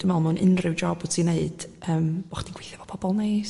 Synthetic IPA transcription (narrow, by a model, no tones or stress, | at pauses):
d̥ɪmalˠmunʔɨnrɨwd͡ʒɔbɔ̥sʰineɨd̥əːmbɔχd̥iɡwejθjɛvɔ̥pʰɔbɔlˠnej